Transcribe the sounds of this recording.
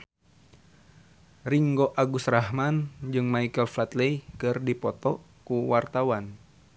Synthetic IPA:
riŋɡoʔaɡusrahmand͡ʒɨŋmaikəlflat̪lɛikɨrdipɔt̪ɔ | kuwart̪awan

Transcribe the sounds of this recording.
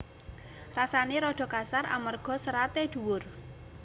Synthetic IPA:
rasaneɾɔɖ̥ɔ̤kasara̰mərɡ̥ɔ̤səɾat̪ed̪̥ṳwʊr

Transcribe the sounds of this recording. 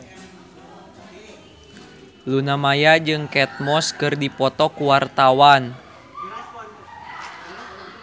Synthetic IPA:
lunamajad͡ʒɨŋkɛt̪̚mɔskɨrdipɔt̪ɔkuwart̪awan

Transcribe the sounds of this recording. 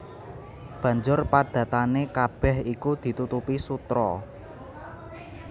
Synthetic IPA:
b̥ä̤ɲd͡ʒʊrpad̪̥ä̤t̪anekab̥ɛ̤hikud̪̥i̤t̪ut̪upisut̪ɾɔ

